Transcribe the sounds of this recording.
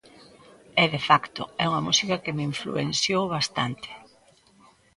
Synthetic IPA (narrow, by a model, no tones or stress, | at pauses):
ɛðefakt̪ʊ̰ɛuŋɐmusikɐkɪmeiɱflṵḛnsjowβast̪a̰nt̪ɪ̥